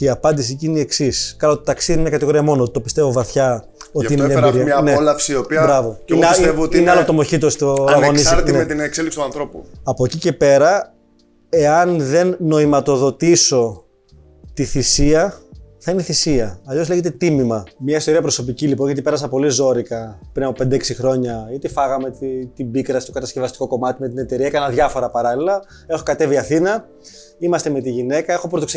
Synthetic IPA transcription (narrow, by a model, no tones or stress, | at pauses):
iɐpɐnd̪is̬icineieksiskɐlat̪ot̪ɐksiðininekɐt̪iɣo̞ɾiɐmo̞not̪i̥t̪opist̪e̞vo̞vɐθçɐ | oiinebɾimɲɐnelɐfsiiopiɐbɾɐvo̞inesevot̪ineɐlot̪omo̞çit̪̬ost̪oɐɣonisɐɾt̪nmet̪inekseliksi̥t̪ɐnθɾo̞pṵɐpo̞cice̞pe̞ɾɐ | e̞ɐnðe̞nːo̞imɐt̪o̞ðo̞t̪iso̞ | t̪iθisiɐθɐineθisiɐːʎo̞sle̞ʝet̪e̞t̪imimɐmɲɐist̪o̞ɾiɐpɾo̞so̞p̬icilipo̞nʝɐt̪̬ipe̞ɾɐs̬ɐpo̞lizo̞ɾikɐpɾinɐpo̞pend̪eeksixɾo̞ɲɐit̪ifɐɣɐme̞t̪t̪ibikɾɐsi̥t̪o̞kɐt̪ɐsce̞vɐst̪iko̞ko̞mɐt̪ime̞t̪ine̞t̪e̞ɾiɐekɐnɐðʝɐfo̞ɾɐpɐɾɐlilɐ | e̞xo̞kɐt̪e̞viɐθinɐ | imɐst̪e̞me̞t̪iʝine̞kɐe̞xo̞pɾt̪o̞kse